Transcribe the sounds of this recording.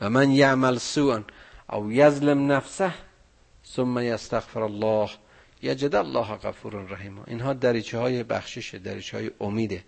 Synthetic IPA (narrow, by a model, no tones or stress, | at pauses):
væmanjaʔmalsuːʔnʔæ̰wjazlɪmnafsah | somːæjast̪aɣfeɾalˤːɑːh | jad͡ʒɪd̪alːɑːɦɣa̰fuːɾanɾaɦiːma̰ʔḭnɦɒːd̪æɾiːt͡ʃʰehɒːjebæxʃeʃed̪æɾḭːt͡ʃʰehɒ̰ːjeʔomiːd̪e